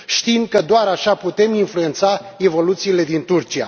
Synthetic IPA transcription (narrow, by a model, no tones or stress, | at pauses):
ʃt̪imkəd̪oaɾaʃaput̪e̞minflue̞nt̪sae̞vo̞lut̪siːle̞d̪int̪urt͡ʃia̰